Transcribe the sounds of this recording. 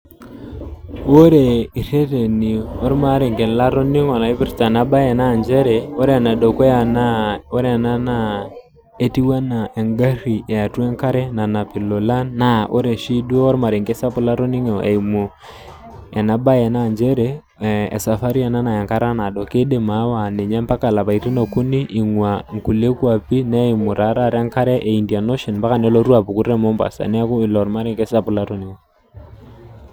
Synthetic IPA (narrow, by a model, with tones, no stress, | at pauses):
o˦ɾe˨i˨ɾe˦te˨ni˨o˦ɾma˨˦ɾe˨ŋke˨la˦ɾo˦ni˦ŋɔ˨na˨i˦pi˦ɾta˨na˦ba˦jɛ˨na˦˨nd͡ʒɛ˦ɾe˨o˦ɾe˦˨na˨do˨ko˦a˨na˦o˦ɾe˦˨na˦na˦ | e˦ti˦wa˦na˨e˨ŋɡa˦ɾi˨e˨a˨twe˦ŋka˦ɾɛ˦na˨na˨pi˨lo˨la˦nːa˦ʔo̰˦ɾe˨ʃi˦dwo˦o˦ɾma˨ɾe˨ŋke˦sa˦pu˦la˦ɾo˦ni˦ŋo˨ʔḛ˨i˨mo˨ | ɛ˨na˦ba˦ɛ˨na˦˨nd͡ʒɛ˦ɾḛː˦˨ | sa˨fa˦ɾi˦ɛ˨na˦na˨ja˨ŋka˦ɾa˦na˨dɔ˨ke˦de˨ma˨˦wa˨nɛ˨ɲa˦mpa˦ka˦˨la˨pa˨i˨ɾi˦no˨ku˦ni˦ʔi˨ŋwa˨ŋ˨ku˨le˦ku˦a˨pi˦nɛ˦i˨mʊ˨ɾa˨˦ɾa˦˨ɾɛ˦ŋka˦ɾɛ˦ʔe˨i˨ndi˨a˨no˦ʃɔ˨npa˦ka˨nɛ˦lo˦ɾwa˨pu˨ku˦ɾɛ˦mɔ˦mba̰˨sa̰˨nɛ˦a˦ku˦i˨lɔ˨ɾma˦ɾɛ˦ŋke˦sa˦pu˨la˦ɾo˦ni˦ŋɔ˨